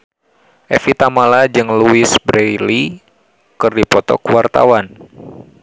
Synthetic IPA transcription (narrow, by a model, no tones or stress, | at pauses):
ʔɛfit̪amalad͡ʒɨŋluɪsbɾejli | kɨrdipɔt̪ɔ̰kuwart̪a̰wan